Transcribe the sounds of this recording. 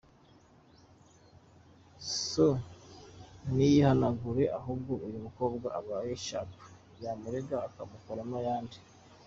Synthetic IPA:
so | nijihanaɡuɾe̞ʔaɦub̚ɡoʔujumuko̞ːbɡaʔːβaːjeʃa̰tu̥ | jamuɾeɡaːkamukoɾamajaːndi

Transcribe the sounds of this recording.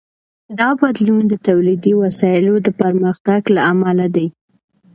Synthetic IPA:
d̪ɑbad̪lund̪ət̪awlid̪iwasɑɪlod̪əpaɾməxt̪aɡlaːmalad̪aj

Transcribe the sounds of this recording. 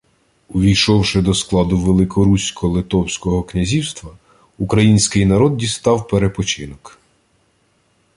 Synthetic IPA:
ʊʋʲijʃɔwʃɪd̪ɔsklˠɑd̪ʊʋelˠɪkʰɔɾusʲkɔlˠɪt̪ɔwsʲkɔɦɔknʲɐzʲiwst̪ʋɐ | ukɾɐjinʲsʲkɪjnɐɾɔd̪̚dʲist̪ɑwpeɾepɔt͡ʃɪnɔk

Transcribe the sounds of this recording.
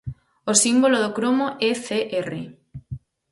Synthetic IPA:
osimboloðokɾomoʔeθeʔerḛ

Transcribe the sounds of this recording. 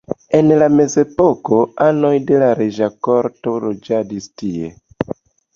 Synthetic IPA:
e̞nlame̞ze̞po̞ko̞ano̞jde̞laɾeʒako̞ɾto̞lod͡ʒadistie̞̰

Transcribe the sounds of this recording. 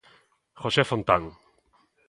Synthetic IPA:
χosefont̪aŋ

